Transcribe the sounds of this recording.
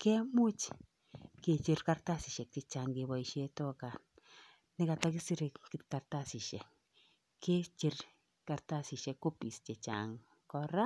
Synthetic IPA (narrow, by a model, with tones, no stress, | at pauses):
kɛ˦mu˦t͡ʃ | ke˨t͡ʃi˧rkarta˦si˨ʃɛ˨k̚t͡ʃe˨t͡ʃa˨ŋɡe˨ba˨iʃe˧tɔ˦ka˨ | nɪ˦ka˨ta˦ki˦si˦ɾe˨kki˧t̚ka˨rtasi˨ʃɛ̰˨k | ke˦t͡ʃi˧r | ka˧rta˦si˨ʃɛ˧kːo˦pi˨st͡ʃe˨t͡ʃa̰ŋ | kɔɾa˦